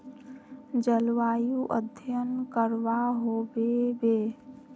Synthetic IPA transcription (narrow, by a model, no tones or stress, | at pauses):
d͡ʒəlʋajuʔəd̪ʱjənkəɾʋaɦobebe